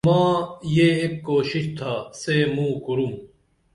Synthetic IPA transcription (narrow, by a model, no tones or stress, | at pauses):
mãːjeːekkoːɕiɕt̪ʰaːseːmũːkuɾum